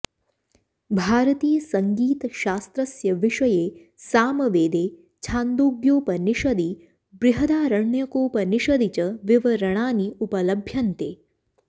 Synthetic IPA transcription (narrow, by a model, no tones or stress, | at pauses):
bʱaːɾɐt̪iːjɐsɐŋɡiːt̪ʃaːst̪ɾɐsjɐʋɪʂɐjeː | saːmɐʋeːd̪eː | t͡ʃʰãːnd̪uːɡjoːpɐniʃɐd̪i | bɾɪɦɐd̪aːɾɐɳːjɐkoːpɐniʃɐd̪it͡ʃɐʋɪʋɐɾɐɳ̃aːniupɐlɐbʱjɐnt̪eː